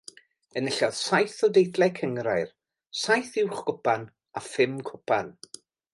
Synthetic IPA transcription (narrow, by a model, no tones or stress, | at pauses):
ənəɬɔð̥sajθɔdejdlɛkʰəŋɾaɨr | sajθɪwχɡ̥ʊpan | afɪmkʰʊpʰan